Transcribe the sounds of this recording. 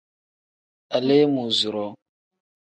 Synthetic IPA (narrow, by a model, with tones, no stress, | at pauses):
a˨le˦mu˨zu˨ɾɔ˦